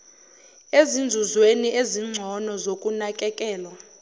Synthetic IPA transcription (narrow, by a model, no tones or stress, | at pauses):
ezind͡zʱuzweniʔeziŋ͡ǀʱɔnɔzokʼunakʼɛkʼɛːlwa